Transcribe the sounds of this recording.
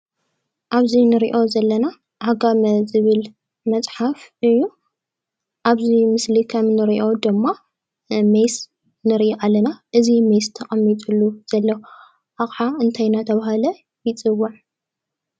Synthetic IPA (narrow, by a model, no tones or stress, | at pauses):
ʔaβzinɨɾiʔo̞zɐlːɐna | ʔahɡamɐzɨβɨl | mɐt͡sʼħafɨjːu | ʔaβzimɨslikʰɐmnɨɾiʔo̞d̪ɨmːa | mejs | nɨɾʔiʔalːɐnaʔɨzimejst̪ʰɐχʼɐmːit̪ʼulːuz̥ɐlːɐw | ʔaxʼʕaɨnt̪ʰajnat̪ʰɐβaɦalɐ | jɪt͡sʼɨwːaʕ